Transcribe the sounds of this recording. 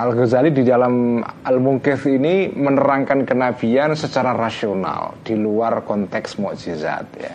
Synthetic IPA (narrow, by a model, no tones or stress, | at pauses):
alɡozalididalamalmuŋkɪθinimənəɾaŋkankənab̥iansət͡ʃaɾarasiona̰ld̥iluarkɔnt̪ɛksmɔʔd͡ʒiza̰t̪̚ja̰